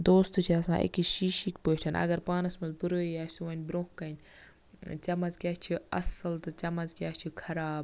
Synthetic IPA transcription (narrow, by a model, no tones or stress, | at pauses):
d̪oːst̪ut͡ʃʰiɐsã̰ːʔḛkiʃiːʃikpoːʈʰɐnʔɐ̰ɡɐɾpaːnɐsmɐzbuɾoːjaːsuʋɐnʲbɾõːkɐnʲ | t͡ʃɐmɐzkʲaːst͡ʃʰiɐ̰sɐlt̪ɨt͡ʃɐmɐzkʲaːst͡ʃʰikʰɐɾaːb